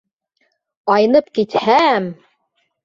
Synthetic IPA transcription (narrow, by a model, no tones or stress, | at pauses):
ɑjnɤpkit̪hæm